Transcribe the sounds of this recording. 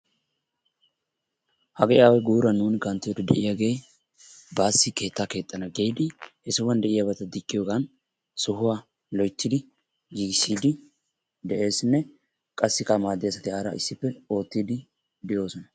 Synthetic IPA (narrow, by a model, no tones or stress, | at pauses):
hɐɡeɪʔaːwɛjɡuːɾɐnːuːnɪɡɐnt̪ːɪjɔd̪ɛd̪ɛ̰ʔɪjaɡe̞j | baːsːɪke̞ːt̪ːaːke̞ːt̪ʼːɐnɐɡejd̪ɪhɛsɪwɐnd̪ɛʔɪjabɐt̪ɐd̪ɪkʼːɪjo̞ːɡɐn | sʊɦʊwaː | lɔjt̪ːɪd̪ɪ | jɪɡɪsiːd̪ɪ | d̪ɛʔe̞ːsnːɛ | kʼɐsːɪkɐmaːd̪ɛjɐsɐt̪ɪaːɾɐ̰ʔɪ̰sːɪpːɛo̞ːt̪ːiːd̪ɪ | d̪ɪjo̞ːsɔnɐ